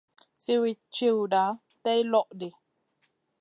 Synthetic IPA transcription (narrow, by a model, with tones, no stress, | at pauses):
si˦wi˨t͡ʃi˦˨wda˨˦ | tɛ˦jlɔ˦ʔdi˨